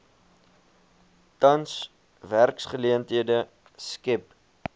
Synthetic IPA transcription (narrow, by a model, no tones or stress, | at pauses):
tɐns | værksχəliəntɦiədə | skɛp